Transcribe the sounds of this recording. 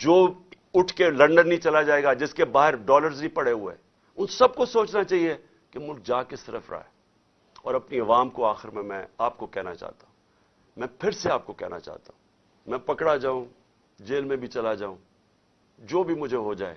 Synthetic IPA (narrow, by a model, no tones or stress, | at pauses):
d͡ʒoː | ʊʈʰkelɐ̃ɳɖənːĩt͡ʃɐlad͡ʒaːeːɡad͡ʒɪskebaːɦɪɾɖɔːləɾznĩpɐɽeɦʊḛ | ʊnsɐb̚kosoːt͡ʃnat͡ʃaːɦie | kemʊlk̚d͡ʒaːkesɪɾəfɾa̰ːeː | ɔ̰ːɾɐpniɐʋaːmkoaːxɪɾmẽmɛ̰̃aːp̚kokɛɦna̰t͡ʃa̰ːt̪aɦũː | mɛ̃pʰɪɾseaːp̚kokɛ̰ɦna̰t͡ʃa̰ːt̪aɦũː | mɛ̃ːpɐkɽad͡ʒaːũ | d͡ʒeːlmẽbʱit͡ʃɐlad͡ʒaːũː | d͡ʒoːbʱimʊd͡ʒʱeɦod͡ʒa̰ːḛː